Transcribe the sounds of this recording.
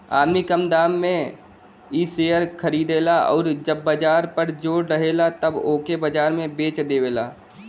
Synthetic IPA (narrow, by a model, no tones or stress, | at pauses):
a̰ːmikəmd̪aːmːẽ | iːseːjəɾkʰəɾiːd̪eːlaɔ̰ːɾd͡ʒəbːəd͡ʒaːɾpəɾd͡ʒoːɽɾəɦeːlat̪əboːkebəd͡ʒaːɾmẽbeːt͡ʃd̪eːʋeːlaː